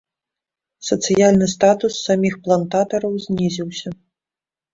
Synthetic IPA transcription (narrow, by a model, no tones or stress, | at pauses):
sɐt̪sɨjalʲnɨst̪at̪usːamʲixplˠant̪at̪ɐɾɐwzʲnʲizʲiwsʲɐ